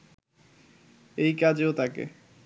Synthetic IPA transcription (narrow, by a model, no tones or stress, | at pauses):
ejkad͡ʑeot̪ʰakḛ